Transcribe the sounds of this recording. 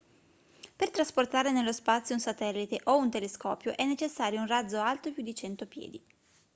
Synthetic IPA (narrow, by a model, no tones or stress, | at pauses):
pert̪ɾasport̪aːɾenelːospat̪sːjounsat̪ɛlːit̪eʔount̪eleskɔːpjoʔɛnːet͡ʃesːaːɾjounrad̪zːoalt̪opjud̪ːit͡ʃɛnt̪opjɛ̰ːd̪i